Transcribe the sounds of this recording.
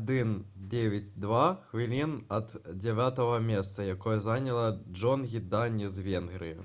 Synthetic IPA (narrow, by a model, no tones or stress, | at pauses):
ad̪ɨnd͡zʲevʲat͡sʲd̪vaxvʲilʲinɐd̪d͡zʲɛvʲat̪ɐɣɐmʲɛst̪sɐjakɔjɛzanʲɐlˠɐd͡ʐɔnɣʲid̪anʲizvʲɛnɣɾɨju